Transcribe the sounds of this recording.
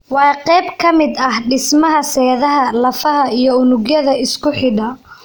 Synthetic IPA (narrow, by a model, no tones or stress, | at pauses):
wɑːqɛjbkʰɐmɪd̪ɐhɖɪsmɐɦɐsɛːðɐɦɐlɐfɐɦɐijɞʊnʊɣjɐðɐɪskʰʊħɪɖɐ